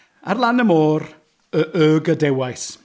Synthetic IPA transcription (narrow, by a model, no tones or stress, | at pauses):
a̰rlˠanəmoːɾ | əʔəːɡədɛwajs